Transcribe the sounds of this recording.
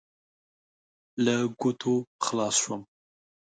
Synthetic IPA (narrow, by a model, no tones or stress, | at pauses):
laɡʊt̪ʰoxlɑsʃwəm